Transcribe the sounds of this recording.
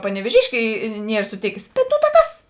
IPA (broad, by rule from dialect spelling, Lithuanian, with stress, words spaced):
pɐnʲɛʋʲeːˈʒʲɪʃʲkʲeː ˈnʲiɛr sʊˈtʲeːkʲeːs ˈbʲɛt ˈnuː tɑː ˈkɐs